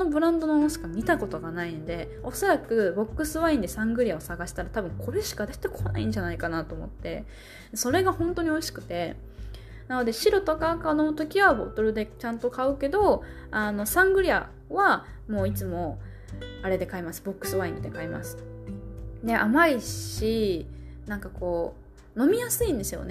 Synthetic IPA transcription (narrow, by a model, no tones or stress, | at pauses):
ono̞bɯ̟ɾãnd̪o̞noosi̥kaɲʲit̪ako̞t̪o̞ɡanainod̪e̞ | o̞so̞ɾakɯ̟bo̞kːɯ̟sɨβaĩnd̪e̞sãŋɡɯ̟ɾʲiao̞saɡaɕi̥t̪aɾat̪abɯ̟̃ŋkʰo̞ɾe̞ɕi̥kad̪et̪ːe̞kʰoːna̰ĩɲ̟d͡ʑanaikanat̪o̞ːmo̞̰t̪ːe̞̰ | d̪so̞ɾe̞ɡahõ̞nt̪o̞ɲ̟io̞iɕi̥kɯ̟̥t̪e̞ | nano̞d̪e̞ɕiɾo̞t̪okaɯ̟kano̞t̪o̞kʲiβabo̞̰t̪o̞ɾɯ̟d̪e̞t͡ɕãnt̪o̞kaɯ̟ke̞d̪o̞ | ano̞sãŋɡɯ̟ɾʲia̰ | βa | mo̞ːit͡sɨmo̞ | aɾe̞d̪e̞kaimasɨ̥bo̞kːɯ̟̥sɨβaĩnd̪e̞kaima̰sɨ̥ | d̪e̞ʔa̰maiɕi | nãŋkako̞ː | no̞mʲijasɨĩnd̪e̞sɨjo̞̰ne